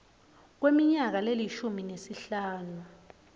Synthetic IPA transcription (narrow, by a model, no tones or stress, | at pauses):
k̬wemiɲak̬aleliʃuminesiɬaːnu